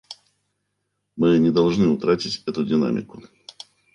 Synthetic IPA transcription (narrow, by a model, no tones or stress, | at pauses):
mɨnʲɪd̪ɐlˠʐnɨʊt̪ɾatʲɪtʲɛt̪ʊdʲɪna̰mʲɪ̰kʊ